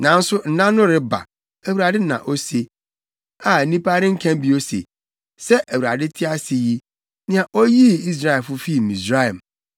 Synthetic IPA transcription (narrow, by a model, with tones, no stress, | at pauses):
nã˨n̩˦sʊ˦n̩˨nã˦nʊ̃˦ɾɪ˦ba̰˨ | æ˨wu˨ɾa˨dɪ˦nã̰˨ʔo˦se˨ | a˨˦nĩ˦paː˦ɾɪ̃˦ŋ̩˦kʰæ̃˦m˦bi˨o˦sḛ˨ | sɛ˦ʔæ˨wu˨ɾa̰˨dɪ˦tʰɪ˦a˦sɪ˨ji˦ | nɪ̃˨˦a˨ʔɔ˦ji˦i˦s̬ɾa˦ɛ˨fʊ˦fi˦˨mĩ˨sɾa˦ɛ˨m